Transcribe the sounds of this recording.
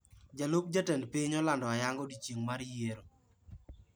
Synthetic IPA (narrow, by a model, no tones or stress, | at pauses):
d͡ʒalop̚d͡ʒatɛnpiɲɔlandɔajaŋɡɔdit͡ʃjeŋmaɾjeɾo